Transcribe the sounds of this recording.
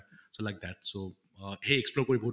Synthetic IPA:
solaɪk̚d̪æʈso | heeksploːɾkoːibʱoː

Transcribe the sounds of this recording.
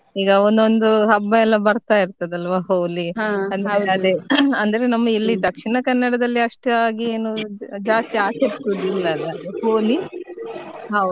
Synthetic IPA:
iːɡɐond̪ond̪uɦɐbːɐɛlːɐbɐɾt̪aːjiɾt̪ɐd̪eɐlʋaːɦoːliɐnd̪eɐd̪eɐnd̪ɐɾe̞nɐmːɐilːid̪ɐkʂiɳɐkɐnːɐɽɐd̪ɐlːiɐʂʈɐaːɡieːnud͡ʒaːst̪iaːt͡ʃɐɾisud̪uilːɐɐlːɐhoːli | ɦɐwd̪u

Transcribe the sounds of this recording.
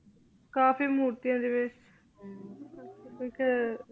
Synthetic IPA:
kaːfiːmuːɾt̪ijãːd̪eʋeːs | ɪk

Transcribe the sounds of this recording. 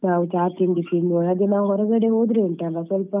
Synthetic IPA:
naːʋut͡ʃaːt̪ind̪isinoɭɐd̪enaːʋuɦɔɾɐɡɐɽeɦoːd̪ɾeeɳʈɐlːɐsʋɐlpɐ

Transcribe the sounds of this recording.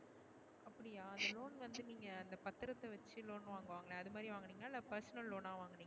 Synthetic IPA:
ʔɐpːɐɽɪjaːɐnd̪ɐloːnʋɐnd̪ɯniːŋɡɐːnd̪ɐpɐt̪ːɯɾɐt̪ːɐʋɐt͡ʃːɯloːnʋaːŋɡɐʋaːŋɡɐɭẽɐðɯmaːd̪ɾiʋaːŋɡɐniːŋɡɐnalɐpɐɾsɐnɐlːoːnaːʋaːŋɡɐniːŋɡɐ

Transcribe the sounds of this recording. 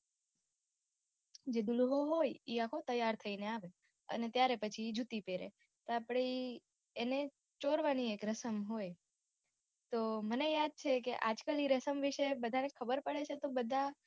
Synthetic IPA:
d͡ʒed̪uluɦoɦojiakʰot̪əjaɾt̪ʰəineaʋe | ə̰net̪jaɾepət͡ʃʰid͡ʒut̪ipeɾḛ | t̪oapɽi | ene | t͡ʃoɾʋaniekɾəsəmɦoj | t̪omənejad̪̚t͡ʃʰekḛʔad͡ʒkaliɾəsəmʋiʃebəd̪ʱanekʰəbəɾpəɭet͡ʃʰet̪obəd̪ʱa

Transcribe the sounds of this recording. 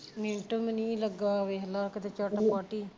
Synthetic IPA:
mẽːɳʈəmnĩːləɡaːʋeːɦlaːkət̪eːt͡ʃaːʈapaːʈiː

